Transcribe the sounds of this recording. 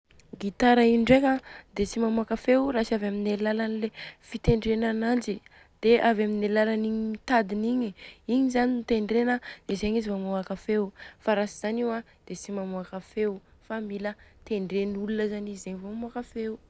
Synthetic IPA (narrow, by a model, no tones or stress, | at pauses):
ɡit̪aɾaiɳɖ͡ʐekad̪et͡simamuakafewrasavaminelalanilefit̪eɳɖ͡ʐenanand͡ʒi | d̪̥eʔavaminelalaniɲimit̪ad̪iniɲiiɲizaninit̪eɳɖ͡ʐenəd̪̥ezeɲizimamuakafewfaɾasiz̥aniwa | d̪̥et͡simamuakafew | familət̪eɳɖ͡ʐenulunəzanizizeɲivomamuakafewu